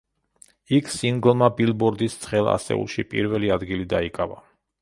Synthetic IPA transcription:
ikʰsiŋɡlˠmabilˠbɔɾd̪ist̪sʰχɛlˠa̰sɛ̰ṵlˠʃipʼḭɾvɛliad̪ɡilid̪aikʼava

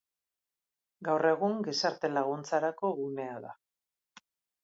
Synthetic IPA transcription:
ɡawre̞ɣuŋɡe̞saɾt̪e̞laɣ̞unt͡saɾako̞ɣune̞aða̰

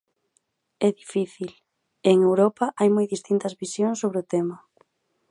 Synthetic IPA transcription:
ɛðifiθil | eŋewɾɔpɐʔajmojðist̪int̪ɐzβisjoŋsːoβɾɪʊt̪ɛmɐ

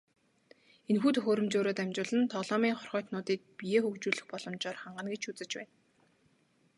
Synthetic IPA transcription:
enxuːt̪ʰɵxoːɾɵ̆mt͡ɕoːɾoːt̪æmʲt͡ɕʊːɮɘ̆nt̪ʰɔɮɔːmiːŋχɔrχœːt̪nʊːt̪iːk̚pijeːxɵkt͡ɕuːɮɘ̆xpɔɮɞ̆mt͡ɕɔːrχaɴɢə̆nɡet͡ɕut͡sɘ̆t͡ɕpæ̰ːn

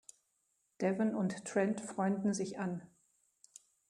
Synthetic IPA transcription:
d̥ɛvɪnʊnttʁ̥ɛntfʁ̥ɔʏndn̩zɪçan

